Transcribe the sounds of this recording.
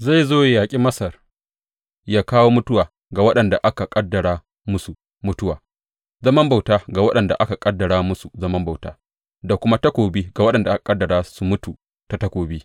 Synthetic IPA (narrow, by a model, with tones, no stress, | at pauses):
za˦˨jzoː˦˨jaː˨kʲʼi˦mɐ˦sɐ˨r | jaː˦kaː˦woː˦mʊ˦tʊ˦waː˨ | ɡa˨wɐ˦ɗɐ˨nda˨ʔa˦ka˨kʼɐ˦dːɐ˨ɽaː˦ | mʊ˦su˨ | mʊ˦tʊ˦waː˨ | zɐ˦mɐ˦mba˨wtaː˦ɡa˨wɐ˦ɗɐ˨nda˨ʔa˦ka˨kʼɐ˦dːɐ˨ɽaː˦mʊ˦su˨zɐ˦mɐ˦mba˨wta̰ː˦ | da˨kʷʊ˦ma˦tɐ˦kʷoː˨biː˦ɡa˨wɐ˦ɗɐ˨nda˨ʔa˦ka˨kʼɐ˦dːɐ˨ɽaː˦su˨mʊ˦tu˨ | ta˨tɐ˦kʷoː˨biː˦